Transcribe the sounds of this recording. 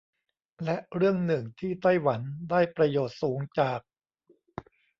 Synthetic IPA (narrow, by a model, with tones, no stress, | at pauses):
lɛ˦˥ʔɾɯ˥˩əŋnɯ˨˩ŋt̪ʰiː˥˩t̪a˥˩jwa˩˦ndaː˥˩jpɾa˧joː˨˩t̪̚suː˩˦ŋt͡ɕaː˨˩k̚